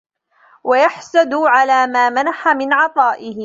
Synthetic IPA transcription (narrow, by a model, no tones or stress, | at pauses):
wajaħsad̪ʊʕalaːmaːmanaħamɪnʕɑt̪ˤɑːʔɪhɪ